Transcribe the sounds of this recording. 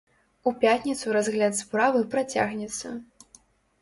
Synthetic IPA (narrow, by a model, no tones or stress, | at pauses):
upʲat̪ʲnʲit̪suɾazɣlʲat̪spɾavɨpɾat͡sʲa̰ɣnʲɛt̪sːɐ̰